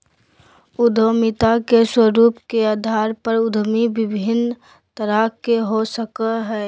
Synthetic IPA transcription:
ʊd̪ʱomɪt̪akeswəɾuːpkeaːd̪ʱaːɾpəɾʊd̪ʱmibɪbʱɪn | t̪əɾakeɦosəkəɦɛː

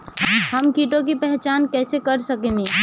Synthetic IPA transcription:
ɦəmkiʈõk̬ipɛɦt͡ʃaːnkɛːsekəɾsəkɛ̃mĩ

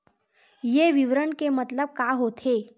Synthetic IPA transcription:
jeʋiʋɾəɳkemət̪ləb̚kaɦot̪ʰe

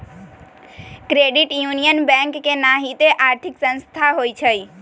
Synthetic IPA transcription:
kɾeɖiʈjunijənbɛ̃ŋkːenaɦit̪eʔaɾt̪ʰiksə̃nst̪ʰaɦoit͡ʃʰəj

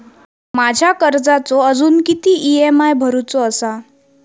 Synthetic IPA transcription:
mad͡ʑʱjakəɾd͡zat͡soəd͡zuːnkit̪iːʔiemajbʱəɾut͡soəsa

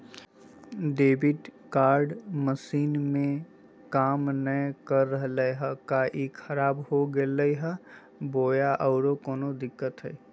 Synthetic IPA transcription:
ɖeːbɪʈkaːɾɖməsiːnmẽ | kaːmnəkəɾːəɦləjɦɛkaʔikʰəɾaːbɦoɡeləiɦɛ | boːjaʔɔʊɾokoːnod̪ɪkːət̪ɦɛ

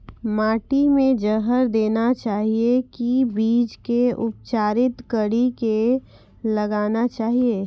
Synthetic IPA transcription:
maːʈimẽd͡ʒəɦəɾd̪eːnat͡ʃaːɦiekibiːd͡ʒkeʊp̚t͡ʃaːɾɪt̪kəɽike | lɐɡaːnat͡ʃaːɦieː

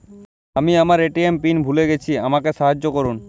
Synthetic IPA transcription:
amiamaɾeʈiempinbʱuleɡet͡ɕʰiamakeʃaɦad͡ʑːokoɾun

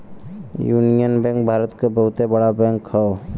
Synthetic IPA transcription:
juːnijənbẽŋk̚bʱaːɾət̪kabəɦʊt̪ebəɽabɛ̃ŋkhɔ

